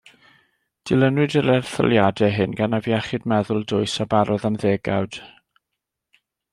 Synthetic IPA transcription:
d̥ɪlˠənwɨdəɾɛrθɔ̰lˠjadɛɦɨnɡanavjaχɪdmɛðʊlˠdʊɨsabaɾɔðamðeːɡa̰wd̥

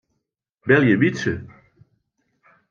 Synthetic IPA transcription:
bɛljəbisə

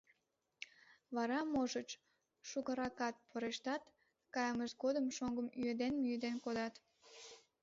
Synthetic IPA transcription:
βɑɾɑmoʒət͡ɕ | ʃukəɾɑkɑt̪̚pʰəɾeʃt̪ɑt̪ | kɑjəməʃɡod̪əmʃoŋɡəmyed̪enmyjəd̪enkod̪ɑt̪

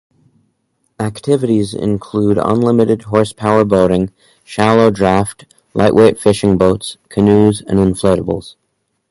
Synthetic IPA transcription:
æktʰɪvɨɾizɪ̰̃nkʰl̥uɾə̰̃nlɪ̃mɨɾɨd̚ɦɔɹspʰaʊə˞boʊɾɪ̃ŋ | ʃælˠoʊdɹæft | lˠʔa̰ɪʔwʔeɪtfɪʃɪ̃ŋboʊtskʰɨnʉzə̰̃nə̃nflɛɾəbl̩ˠz̥

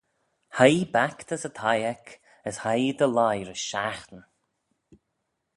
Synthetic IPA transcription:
hajbakt̪ʰəsət̪ʰajɛkʰ | əshajd̪əlajɾəʃaxt̪ən

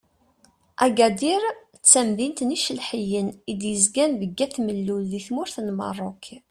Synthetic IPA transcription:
ʔæɡæd̪iɾ | t͡sːæmðint̪niʃəlħəjənid̪jəzɡænvəɡːæθməlːulːiθmʊɾθnmə̰rˤːok

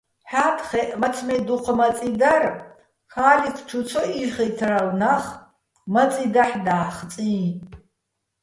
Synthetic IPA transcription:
ħaːtʰχɛʔmɐt͡sʰmɛd̪uqʰmɐt͡sʼid̪ar | xaːlikʰt͡ʃʰut͡sʰɔʔiχəjt̪ʰrawnaχ | mɐt͡sʼid̪aħd̪aːχt͡sʼiː

